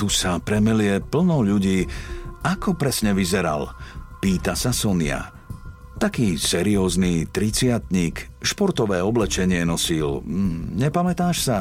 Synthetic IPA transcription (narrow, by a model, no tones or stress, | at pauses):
t̪usapɾɛmɛlɪɛpl̩nɔʊʎuɟiːakɔpɾɛsɲɛʋizɛɾa̰lpiːt̪asasɔnɪa̰ | t̪akiːsɛɾiɔːzniːt̪ɾit͡sɪat̪ɲiːk | ʃpɔɾt̪ɔʋɛːɔblɛt͡ʃɛɲɪɛnɔsilɲɛpamɛt̪aːʃsa